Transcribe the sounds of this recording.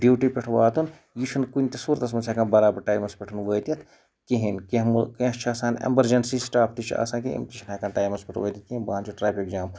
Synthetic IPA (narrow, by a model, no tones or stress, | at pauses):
ɖjuːʈipʲeʈʰʋaːt̪un | jit͡ʃʰunkunʲt̪isuɾt̪ɐs̬mɐt͡ʃʰaːkaːnbɐɾaːbɐɾʈaːjmɐspʲeʈʰɐnʋəːjt̪it̪ʰ | kiɦinkiɦmuket͡ʃʰaːsaːnɐ̰mbɐɾd͡ʒɐnsisʈaːpʰt̪it͡ʃʰa̰sãːkḭmt̪it͡ʃʰnaːkãːnʈaːjmɐspʲeʈʰʋəːjt̪it̪̚kiinbɐaːnt͡ʃʰuʈɾaːpʰikd͡ʒaːm